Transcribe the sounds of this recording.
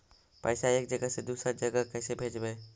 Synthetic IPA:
pəɪsaeːk̚d͡ʒəɡəsed̪uːsɾad͡ʒəɡəkɛːsebʱeːd͡ʒbeː

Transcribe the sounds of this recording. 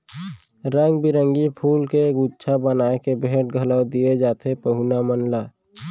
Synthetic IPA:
ɾəŋɡbiɾə̃ŋɡipʰuːlkeɡutːt͡ʃʰabənaːekebeːʈ̚ɡʱələwd̪ied͡ʒaːt̪ʰepəɦunamənlaː

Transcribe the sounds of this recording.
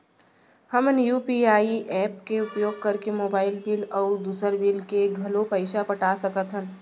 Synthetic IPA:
həmənjuːpiaːiʔɛːpkeʊpjoːɡ̚kɐɾkemoːbaːɪlbɪlɔːd̪uːsəɾbɪlkeɡʱɐlopɐɪʃapɐʈaːsɐkət̪ɦɛ̃ː

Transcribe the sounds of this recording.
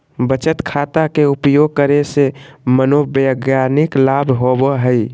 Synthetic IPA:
bət͡ʃət̪kʰat̪akeupjoɡ̚kəɾesemənobəɡjaniklabʱɦobəɦəj

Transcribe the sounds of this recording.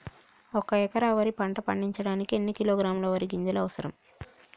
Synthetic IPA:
ɔkɐɛkɐɾaːʋɐɾipɐɳʈɐpɐɳɖiɲt͡ʃɐɽaːnikie̞nːikiloːɡɾaːmloːʋɐɾiɡiɲd͡ʒɐlɐʋɐsɐɾɐm

